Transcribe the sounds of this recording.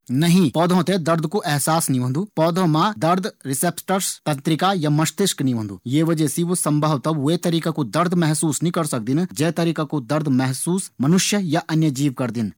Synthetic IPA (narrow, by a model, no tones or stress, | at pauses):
nɐɦĩpɔːd̪ʱõt̪ed̪ɐɾd̪ʱkuʔɛɦsaːsniʋɐ̃nd̪upɔːd̪ʱõmad̪ɐɾd̪ʱɾɪsepsʈɐɾst̪ɐ̃nt̪ɾɪkajamɐʃt̪ɪʃkniʋɐ̃nd̪ujeːʋɐd͡ʒesiʋsɐ̃mbʱɐʋt̪ɐbʋet̪ɐɾiːkakud̪ɐɾd̪ʱmɛɦsuːsnɐɦĩkɐɾsɐk̚d̪ind͡ʒɛːt̪ɐɾiːkakud̪ɐɾd̪ʱmɛɦsuːsmɐnʊʃjəjaʔɐnjɐd͡ʒiːʋkɐɾd̪in